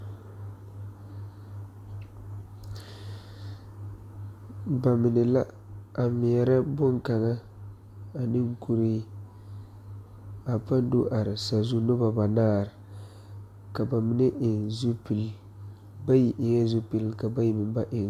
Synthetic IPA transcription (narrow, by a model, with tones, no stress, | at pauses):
ba˨mɪ˨nɪ˨la˦ | a˨mɪ˨ɛ˨ɾa˦bʊ˦ŋka˨ŋa˦ | a˨nɪ˦ŋ˦ku˦ɾi˦ | a˨pa˦n˦du˦ʔa˨ɾɪ˨sa˨zu˦no˦ba˨ba˨naː˦˨ɾɪ˨ | ka˨ba˨mɪ˨nɪ˦ʔɪ˨nzu˦pi˨l | ba˦ji˨ʔɪ˨ŋɛ˦zu˦pi˦lka˨ba˦ji˦mɪ˨mba˦ʔɪ˨